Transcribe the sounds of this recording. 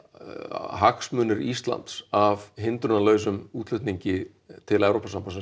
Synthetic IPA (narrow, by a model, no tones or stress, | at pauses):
ɦaksmʏːnʏɾist̪la̰nt̪savɦɪnt̪ɾʏɾnalœːɥs̬ʏmuːt̪lʏht̪niɲcɪ | t̪ʰɪlɛvɾowpasampansɛ